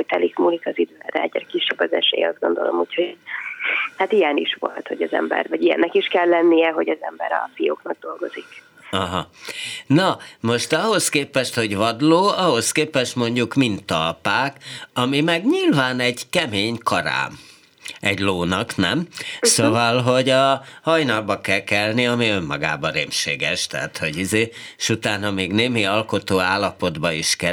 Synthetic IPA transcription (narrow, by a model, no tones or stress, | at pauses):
oc̚t̪ɛlikmuːlit̪ɒzid̪vɛrɛ̰ɛɟɛɾkiʃːɛbːɒzɛ̰ʃḛːjɒ̰zd̪ɡo̞nd̪o̞lomuːcʰho | hat̪ijɛniʃʋo̞̰lt̪ho̞ɟɒzɛ̰mbɛ̰rvɒɟijɛ̰nːɛkiʃkɛlːɛnːijɛɦo̞ɟɒzɛmbɛɾɒ̰fijoːknɒɡ̚d̪o̞lɡo̞zik | ɒɦɒnɒmo̞ʃt̪ɒɦoskeːpɛʃt̪ho̞ɟvɒd̪loːɒɦo̞skeːpɛʃt̪mo̞ɲɟukmint̪ːɒlpaːkɒmimɛɡɲilvaːnɛɟkɛmeːɲkɒɾa̰ːm | ɛɟloːnɒknɛmsovɒlɦo̞ɟɒhɒjnɒlbːɒkɛlkɛlniɒmiø̞mːɒɡa̰ːbɒɾeːmʃeːɡɛʃt̪ɛ̰ɦat̪ho̞ɟizeːʃut̪aːnɒmeːɡneːmiɒlko̞t̪oːaːlːɒpo̞d̪bɒiʃkɛ